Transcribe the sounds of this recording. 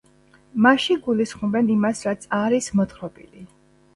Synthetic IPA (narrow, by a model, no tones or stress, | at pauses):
maʃiɡulisχmɔbɛnimasɾat̪sʰaɾismɔt̪χɾɔbḭli